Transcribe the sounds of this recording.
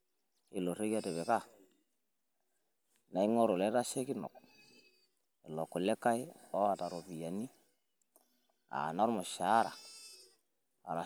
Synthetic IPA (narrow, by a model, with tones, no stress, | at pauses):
ɪ˨lo˨ɾe˦ka˨te˨βɛ˨ka˦˨ | na˨i˦ŋɔ˦ɾo˨lɛ˦ta˦ʃe˦kɪ˦nɔ̰˨k | i˨lɔ˨ku˨lɛ˦ka˦ɪ˦ɔ˦a˨ta˨ɾo˨pi˨ja˨ni˦ | a̰˨nɔ˦ɾmɔ˨ʃa˨˦ɾa̰˨ | a˨ɾa˨